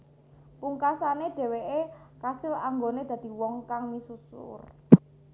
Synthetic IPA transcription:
puŋkasaneɖ̥e̤weʔekasɪlaŋɡoned̪̥ä̤d̪̥i̤wɔŋkaŋmisusʊ̰r

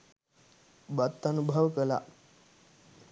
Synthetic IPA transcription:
bat̪ːanubʱəʋkəla̰

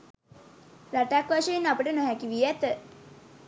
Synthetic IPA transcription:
ɾaʈakʋaʃejinapəʈənoɦækiʋiæt̪ə

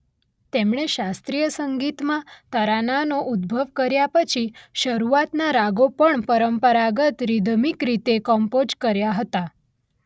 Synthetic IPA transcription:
t̪emɭeɕast̪ɾijəsəŋɡit̪mat̪əɾananoʔud̪̚bʱəʋkəɾjapət͡ɕʰiɕəɾuʋat̪naɾaɡopəɳpəɾəmpəɾaɡət̪ɾid̪ʱmikɾit̪ekɔmpod͡ʑkəɾjaɦət̪a

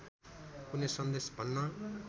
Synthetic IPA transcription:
kunesʌ̃nd̪eːsbʱʌnːa

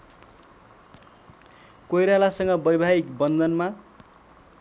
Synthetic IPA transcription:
kojɾalasʌŋɡʌbʌjbʱaɦikbʌnd̪ʌnma

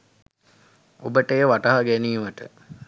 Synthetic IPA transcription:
obəʈejʋaʈɐɦaɡæniːməʈə̰

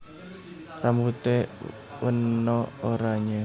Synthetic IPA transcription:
rambut̪e | wənːɔoɾaɲe

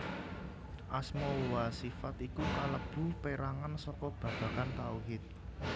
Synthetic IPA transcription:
ʔasmowasifat̪ikukaləb̥ṳpeɾaŋansɔkɔb̥ä̤b̥a̤kant̪auɦɪt̪̚

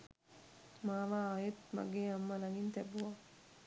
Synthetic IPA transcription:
maːʋaːajet̪ma̰ɡeːamːɐlaŋint̪ɛbua

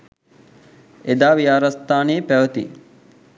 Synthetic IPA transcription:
ed̪aːʋiaːɾast̪aːneːpæʋət̪ḭ

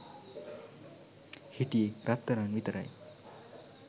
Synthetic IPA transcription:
hiʈijeɾat̪ːəɾanʋit̪ɾa̰j

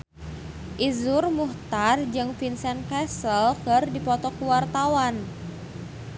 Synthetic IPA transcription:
ʔizʊrmuht̪ard͡ʒɨŋfinsɛnkɛsəlkərdipɔt̪ɔkuwart̪awan

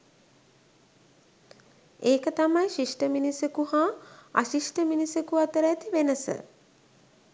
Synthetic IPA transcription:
eːkət̪amajʃiʂʈəminisekuhaːa̰ʃiʂʈəminisekuat̪əɾət̪iʋenəsə̰

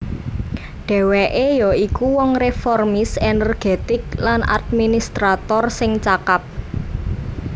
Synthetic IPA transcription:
ɖ̥ɛ̤weʔejɔikuwɔŋrefɔrmɪsenɛrɡ̥et̪ɪklanʔa̰d̪̚minist̪ɾat̪ɔrsɪŋt͡ʃakap̚

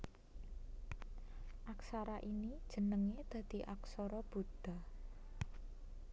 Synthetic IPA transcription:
ʔaksaɾaʔinid̥ʒ̥ə̤nəŋed̪̥ä̤d̪̥i̤ʔaksɔɾɔb̥ud̪̥a̤

